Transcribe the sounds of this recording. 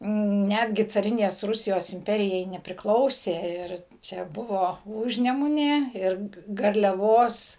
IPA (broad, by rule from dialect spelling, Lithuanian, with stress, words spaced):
ˈnʲædʲɡʲɪ t͡sɐˈrʲɪnʲeːs ˈrʊsʲɪjoːs ɪmʲˈpʲæːrʲɪjɛɪ nʲɛpʲrʲɪˈklˠɐʊsʲeː ˈɪr t͡ʃʲɛ ˈbʊʋoː ˈuːʒʲnʲɛmʊnʲeː ˈɪr ɡɐrʲlʲɛˈʋoːs